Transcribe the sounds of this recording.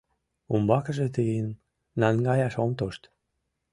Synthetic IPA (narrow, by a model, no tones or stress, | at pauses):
umbɑkəʒet̪ijənː | ɑnɡɑjɑʃomt̪oʃt̪